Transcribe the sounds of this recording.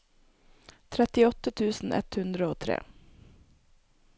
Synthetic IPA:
t̪ʰɾɛt̪ɪɔt̪ət̪ʰʉːsn̩ʔɛ̰t̪hʉnd̪ɾəoːt̪ʰɾḛː

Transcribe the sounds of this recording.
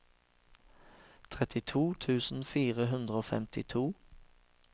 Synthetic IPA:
t̪ʰʁɛt̪ɪt̪ʰuːt̪ʰʉːsn̩fiːʁəɦʉnd̪ʁəoːfɛ̰mt̪ʰɪt̪ʰuː

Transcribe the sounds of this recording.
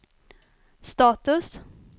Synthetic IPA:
st̪ɑːt̪ɵs

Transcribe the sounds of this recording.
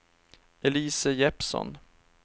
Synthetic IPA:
ɛliːsəjɛpsɔ̰n

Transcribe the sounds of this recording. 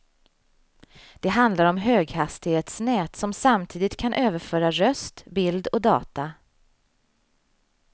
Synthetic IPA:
d̪̥ɛɦand̪laɾɔmɦøːɡhast̪ɪheːt̪snɛːt̪sɔmsamt̪ʰiːd̪ɪt̪kʰanʔøːvəɾfœːɾaɾœst̪bɪld̪ɔd̪ɑ̰ːt̪a

